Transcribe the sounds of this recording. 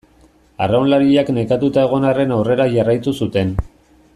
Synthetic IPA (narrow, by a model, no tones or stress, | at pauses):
arawnlaɾiʎakne̞kat̪ut̪ae̞ɣ̞o̞nare̞nawre̞ɾaʝarajt̪usut̪e̞n